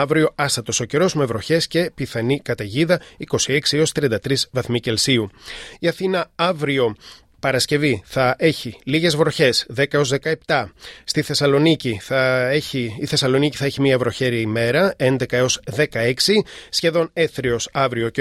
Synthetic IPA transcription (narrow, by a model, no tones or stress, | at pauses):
ɐvɾio̞ɐst̪ɐt̪o̞so̞ce̞ɾo̞zme̞vɾo̞çe̞sce̞piθɐnikɐt̪ɐʝiðɐiko̞sie̞ksieo̞st̪ɾiɐnd̪ɐt̪ɾizvɐθmice̞lsiuiɐθinɐɐvɾio̞ | pɐɾɐsce̞viθɐʔe̞çiliʝe̞zvɾo̞çe̞sðe̞kɐeo̞zðe̞kɐept̪ɐst̪iθe̞sɐlo̞niciθɐeçiːθe̞sɐlo̞niciθɐeçimiɐvɾo̞çe̞ɾiɐime̞ɾɐe̞nd̪e̞kɐeo̞zðe̞kɐe̞ksisçe̞ðo̞ne̞θɾio̞sɐvɾio̞ce